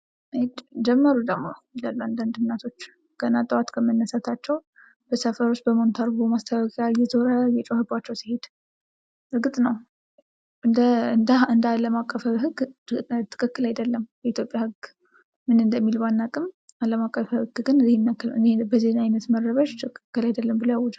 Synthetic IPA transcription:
d͡ʒɛmːəɾud̪əmːojilalːuand̪and̪ɨmnːat̪ʰo̞t͡ʃː | ɡ̥ənat̪ʼəwat̪kʰəmənːəsat̪ʰat͡ʃːɛw | b̥əsəfəɾot͡ʃːbəmo̞nt̪ʰaɾɡomast̪ʰəwakʼjajɛzʰoɾəjɛt͡ʃʼohɨbat͡ʃːɛwsihe̞d̪̥ | ɾɨɡɨt̪ʼnəw | ʔɨnd̪əɨnd̪aɨnd̪aləmakʼːəfɦɨɡt̪ʰɨ̥kʼɨkːɨlajd̪əlːəmbəit̪ʰjopʼjahɨɡ | mɨnɨnd̪əmːilmanːakʼɨm | aləmakʼːəfɨɡɡɨnzihɪnːakːɨlɨ̰nbəzinajnət̪mərːəβəʃt̪ʰɨkʼɨkʼːɨlajd̪əlːəmbɨləwjawɔd͡ʒ̪

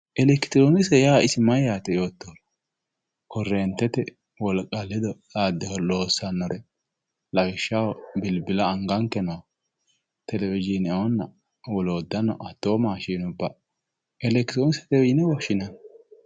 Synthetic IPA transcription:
ʔɛlɛkɪ̥t̪ɾonɪsɛjaːɪsɪmɐjaːt̪ɛjoːt̪ːoːn | kɔrːɛːnt̪ːɛt̪ɛ | wɔlkʼɐlːɪd̪ɔlaːd̪ːɛhɔloːsːɐnːɔɾɛ | lɐwɪʃːawɔbɪlbɪlɐːŋɡɐŋkːɛnɐw | t̪ɛlɛvɪd͡ʒinɐɔnːɐ | wɔloːd̪ːɐnɔʔɐt̪ːoːmaːʃiːnʊbːɐ | ɛlɛkt̪ɾoːnɪsɛ̥t̪ɛɪd͡ʒɪnɛwɔʃɪnɐn

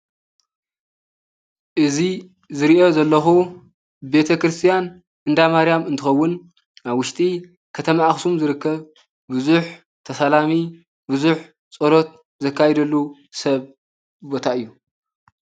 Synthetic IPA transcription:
ʔɨzi | zɨɾiʔo̞zɐlːɐxu | be̞t̪ʰɐkɾɨst̪ʰijan | ɨnd̪amaɾijamɨnt̪ʰɨxɐwːʊn | aβwʊʃt̪ʼi | kʰɐt̪ʰɐmaʔxsumzɨɾɨkːɐβ | bɨzuħ | t̪ʰɐsalami | bɨzuħ | t͡sʼɐɾo̞t̪̚ | zɐkʰːajɛd̪ɐlːu | sɐβ | bo̞t̪ʰaʔɨjːu

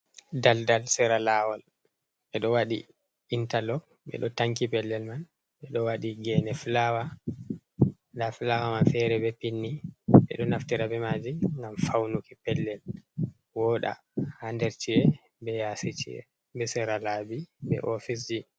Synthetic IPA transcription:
daldalsɛɾalawɔl | ɓɛɗɔwaɗḭ | intalɔk | ɓɛ̰ɗɔtaŋkipɛlːɛlman | ɓɛɗɔwaɗiɡɛnɛflawa | daflawamanfɛɾɛbɛpinːiɓɛ̰ɗɔnaftiɾabɛmad͡ʒiŋɡamfawnukipɛlːɛl | wɔɗa̰ | handɛɾt͡ʃiɛ | bɛjasit͡ʃḭɛ̰ | bɛsɛɾalaːbibɛ̰ʔɔfis̬d͡ʒi

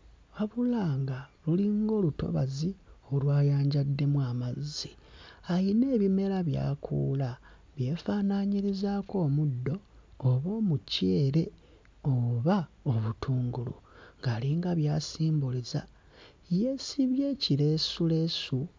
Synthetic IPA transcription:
waβulaːŋɡaluliŋɡo̞ːluto̞̰βa̰zio̞lwaːjaːɲɟadːe̞mwaːmazi | aine̞ːβime̞ɾaβja̰ːkʰṵːla | βje̞ːfaːnaɲiɾizaːko̞ːmudːo̞ːβo̞ːmuceːɾe̞ | oβa | oβutʰuːŋɡulṵŋɡaːliŋɡaβjaːsiːmbuliza | jesiβje̞ːciɾe̞sule̞su

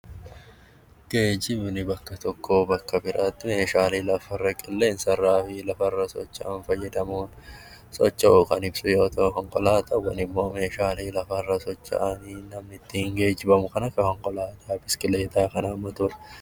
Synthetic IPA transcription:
ɡ̥eːd͡ʒɪbnɪbɐkːɐt̪ɔkːo̞ːbɐkːɐbɪɾʔat̪ːɪmeːʃaːliːlɐfɐrːɐkʼɪlːɛnsɐrːaːfɪlɐfɐrːɐsɔ̰t͡ʃːɐnfɐjːɛd̪ɐmuːn | sɔt͡ʃːɐkɐnɪbsʊjoːt̪ʰɐkɐŋkʼɔlaːt̪ɐwɐ̰nɪmːo̞ːmeːʃaːliːlɐfɐrːɐsɔt͡ʃːɐ̰ʔaninɐmnɪt̪ːɪhɪŋɡe̞ːd͡ʒɪbɐmʊkɐnɐkɐkɐŋkʼɔlaːt̪ʼaːbɪskɪle̞ːt̪aːkɐnaːmːɐt̪ʊɾ

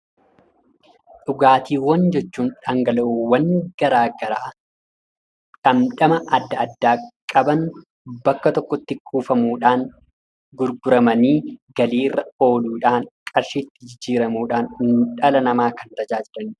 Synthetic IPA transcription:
ᶑʊɡaːt̪iːwɐnd͡ʒɛt͡ʃːuːnᶑaːŋɡɐlɐuwɐnːɡ̥ɐɾaːɡɐɾaː | ᶑɐmᶑɐmɐʔɐd̪ːɐɐd̪ːaːkʼɐbɐn | bɐkːɐt̪ɔkːɔt̪ːɪkʼuːfɐmuːᶑaːŋ | ɡʊɾɡʊɾɐmɐniːɡɐliːrːɐo̞ːluːᶑaːŋkʼɐɾʃiːt̪ːɪd͡ʒɪd͡ʒːiːɾɐmuːᶑaːnɪnᶑɐlɐnɐmaːkɐnt̪ɐd͡ʒaːd͡ʒɪɾɐn

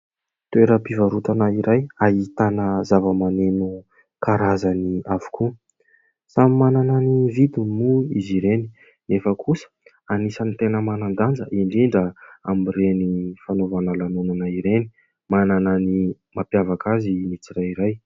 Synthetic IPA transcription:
t̪weɾəpivaɾut̪anaiɾajaɦit̪anəzavəmanenu | kaɾazaniavu̥kʰu | samimanananivid̪unmuiziɾeni | nefəkʰusə̥ | anisanit̪enəmanand̪and͡zəʔiɳɖ͡ʐiɳɖ͡ʐəamirenifanovanəlanunanaiɾeni̥ | mananani | mapjavakazimit͡siɾaiɾaj

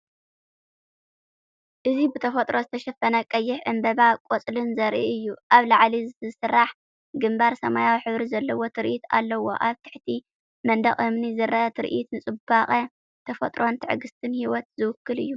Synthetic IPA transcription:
ʔɨzibɨt̪ʰɐfɐt̪ʼɾo̞zɨt̪ʰɐʃɐfɐnɐkʼɐjːɪħʕɨmbɐβakʼot͡sʼlɨnzɐɾʔiʔɨjːuʔaβlaʕlizɨɨsɨrːaħ | ɡɨmbaɾsɐmajawħɨβɾizɐlːɐwo̞t̪ʰɨɾʔit̪ʰa̰lːɐwo̞̰ʔaβt̪ʰɨ̥ħt̪ʰi | mɐnd̪ɐχʼɨmnizɨrɐʔɐt̪ʰɨɾʔit̪nɨt͡sʼɨbaχʼɐ | t̪ʰɐfɐt̪ʼɾo̞nt̪ʰɨʕɨɡɨst̪ʰɨnhiwɔt̪zɨwʊkːɨlɨ̰jːu

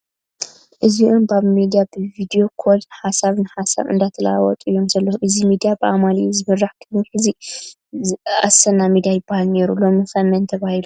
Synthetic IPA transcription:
ʔɨziʔumbaβmid̪ijabɨvid̪ijo̞kʰod̪nɨħasaβnɨħasa̰βɨ̰nd̪at̪ʰɐla̰wɔ̰t̪ʼɨjːo̞mzɐlːɐhuʔɨzimid̪ijabɨʔamalizɨmɨrːaħkʰɨniħɨzi | a̰sɐnamid̪ijajɪbːahalne̞ɾulomɨfɐmɐnt̪ʰɐβahilu

